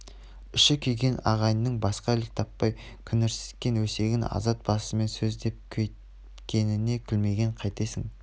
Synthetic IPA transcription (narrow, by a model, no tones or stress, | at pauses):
ɪʃɪkʲʰejɡʲe̞nɑ̰ʁɑjənːəɴbɑsqɑɪlɪk̚t̪ʰɑpːɑj | kʲʰʏnɪɾsɪ̥skʲːe̞nwɵse̞ɡʲɪnɑ̰zɑt̪̚b̥ɑsəme̞nsɵzd̪e̞p̚kʲʰej | kʲʰe̞nɪne̞kʲʰɪlme̞ɡʲe̞ɴqʰɑjt̪e̞sɪŋ